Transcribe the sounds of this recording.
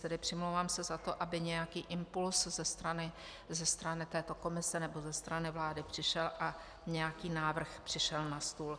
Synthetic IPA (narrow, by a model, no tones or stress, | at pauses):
t̪ɛdɪpr̥ɪmlowvaːmsɛzat̪o̞ʔabɪɲɛjakiːʔɪmpulszɛst̪ɾanɪ | zɛst̪ɾanɪt̪ɛːt̪o̞ko̞mɪsɛnɛbo̞zɛst̪ɾanɪvlaːdɪpr̝̥ɪʃɛlʔa | ɲɛjakiːnaːvr̩xpr̥ɪʃɛlnast̪uːl